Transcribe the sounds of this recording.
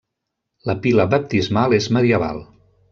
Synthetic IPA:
ləpiləbəp̚t̪izmalezməðiəβa̰lˠ

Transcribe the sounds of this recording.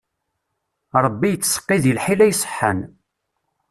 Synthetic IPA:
ɾˤəbːijət͡sːsə̥qːiðəlħilæjsˤə̥ħːə̰n

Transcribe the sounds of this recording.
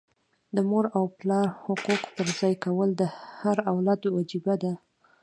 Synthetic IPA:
d̪əmoɾawplɑɾhʊquqpəɾzɑjkawəld̪əhaɾawlad̪wad͡ʒibad̪a

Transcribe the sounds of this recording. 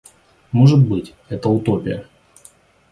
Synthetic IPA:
moʐɨt̪̚bɨtʲ | ɛt̪əʊt̪opʲɪjə

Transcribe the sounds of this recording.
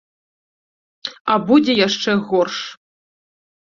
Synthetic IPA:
abud͡zʲejaʂt͡ʂɛɣɔrʂ

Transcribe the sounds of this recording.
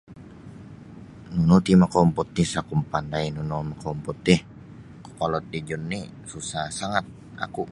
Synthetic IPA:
nunut̪imakɔmpɔt̪̚ːisakumpandajnunɔmakompɔt̪ːɪh | ku̥kolɔt̪̚did͡ʒunːi | susahsaŋat̪̚ | a̰ku

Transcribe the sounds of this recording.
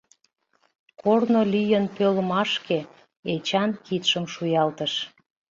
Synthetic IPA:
kornolijənpøləmɑʃke | et͡ɕɑnkit̪ʃəmʃujɑlt̪əʃ

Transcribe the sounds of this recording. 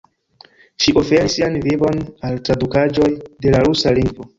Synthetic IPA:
ʃiʔo̞fe̞ɾisːianvivo̞naltɾadukad͡ʒo̞jde̞laɾusaliŋɡvo̞

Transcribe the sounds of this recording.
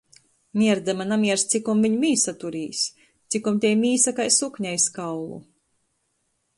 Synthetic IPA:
mʲiɛɾd̪ɛmanamiɛɾst̪sikumviɲmʲiːsat̪uɾiːs | t̪sikumt̪ʲɛjmʲiːsakajsukɲajskawlˠṵ

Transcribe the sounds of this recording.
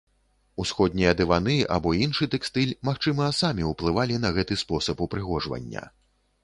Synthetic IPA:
usxɔd̪̚ʲnʲijɐd̪ɨvanɨa̰bɔinʂɨt̪ɛkst̪ɨlʲmaxt͡ʂɨmɐsamʲiuplˠɨvalʲinɐɣɛt̪ɨspɔsɐpupɾɨɣɔʐvɐ̰nʲːɐ̰

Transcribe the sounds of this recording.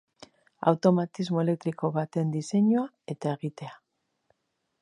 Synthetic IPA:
a̰wt̪o̞mat̪izmo̞e̞le̞k̚t̪ɾiko̞βat̪e̞nd̪ise̞ɲua | e̞t̪ae̞ɣit̪e̞a

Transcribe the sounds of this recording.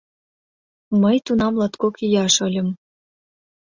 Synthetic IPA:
məjt̪unɑmlɑt̪kokijɑʃɤ̆lʲə̆m

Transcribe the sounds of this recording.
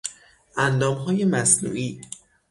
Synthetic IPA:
ʔænd̪ɒːmɦɒːje̞mæsnṵːʔiː

